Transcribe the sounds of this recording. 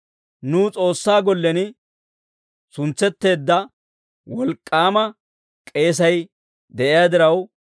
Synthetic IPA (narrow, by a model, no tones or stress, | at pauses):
nuːt͡sʼo̞ːsːaːɡɔlːɛnɪ | sʊnt͡sːɛt̪ːe̞ːd̪ːɐ | wɔlkʼːaːmɐ | kʼe̞ːs̬ɐj | d̪ɛʔɪjaːd̪ɪɾɐw